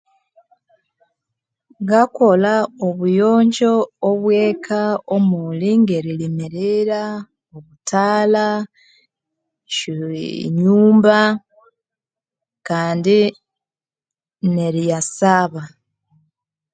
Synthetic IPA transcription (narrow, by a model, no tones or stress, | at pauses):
ŋɡako̞laoβujoːɲɟo̞oβwe̞ːkʰaomuliŋɡeɾilimiɾiɾa | oβutaːla | ʃuɲuːmba | kaːndi | neɾijasaβa